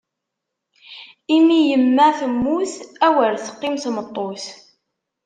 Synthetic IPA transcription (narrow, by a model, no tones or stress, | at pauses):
imijəmːæθəmːuθæwəlθə̥qːɪmθmət̪ˤːoθ